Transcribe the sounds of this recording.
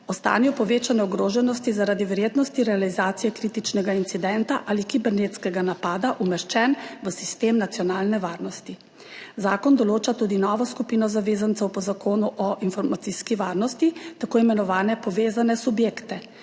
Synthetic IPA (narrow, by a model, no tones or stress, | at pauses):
ɔst̪a̰ːnjɔpɔʋeːt͡ʃanɛɔɡɾoːʒɛnɔst̪izaɾad̪iʋɛɾjeːd̪nɔst̪iɾɛalizaːt̪sijɛkɾiːt̪it͡ʃnɛɡaint̪sid̪ɛnt̪aʔalikibɛɾnet̪skɛɡanapaːd̪aʔumɛʃt͡ʃɛnʋəsi̥st̪eːmnat̪sijɔnaːlnɛʋaːɾnɔst̪i | zaːkɔnd̪ɔloːt͡ʃat̪uːd̪inɔʋɔskupiːnɔzaʋeːzant̪sɛwpɔzakoːnuʔɔʔinfɔɾmat̪iːskiʋaːɾnɔst̪it̪akoːimɛnɔʋaːnɛpɔʋeːzanɛsubjeːkt̪ɛ